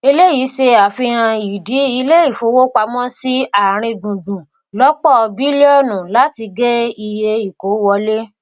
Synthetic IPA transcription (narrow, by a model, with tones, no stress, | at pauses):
e˧le˦jiː˨˦se˧a˨fi˧ɾ̃ã˧i˨di˨˦i˧le˦i˦˨fo˨˧˦wo˦k͡pa˧mɔ̃˦si˦a˦˨ɾ̃ĩ˧dũ˨dũ˨ | lɔ˦k͡pɔ˦˨˧bi˦le˦ɔ˦˨nũ˨la˦ti˧ɡɛ˦i˧je˧i˨ko˨˦wɔ˧le˦